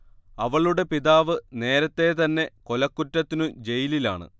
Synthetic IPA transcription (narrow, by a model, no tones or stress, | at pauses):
ɐʋɐɭuɽe̞piðaːʋɨne̞ːɾɐt̪ːe̞t̪ɐnːe̞ko̞lɐkːutːɐt̪ːinud͡ʑe̞jilila̰ːɳɨ̰